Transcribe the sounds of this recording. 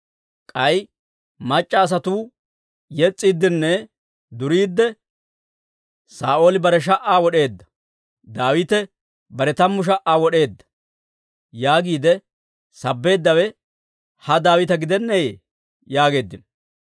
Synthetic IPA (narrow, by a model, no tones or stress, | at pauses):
kʼɐj | mɐt͡ʃʼːɐːs̬ɐt̪uː | jɛt͡sʼːiːd̪ːɪnːɛ | d̪ʊɾiːd̪ːɛ | saːʔo̞ːlɪbɐɾɛʃ̬ɐʔaːwɔɗe̞ːd̪ːɐ̥ | d̪aːwɪt̪ɛ | bɐɾɛt̪ɐmːʊʃ̬ɐʔaːwɔɗe̞ːd̪ːɐ̥ | jaːɡiːd̪ɛ | sɐbːe̞ːd̪ːɐwɛ | hɐd̪aːwɪt̪ɐɡɪd̪ɛnːɛjeː | jaːɡe̞ːd̪ːɪn